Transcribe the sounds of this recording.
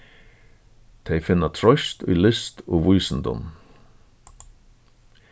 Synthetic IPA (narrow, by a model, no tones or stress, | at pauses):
t̪ʰɛjfɪnːat̪ʰɾɔjʃt̪ʊ̰jlɪst̪oːʋujsənd̪ʊ̰m